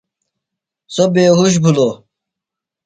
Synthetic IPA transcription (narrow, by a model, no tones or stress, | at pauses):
sobeːɦuɕ̬bʱulo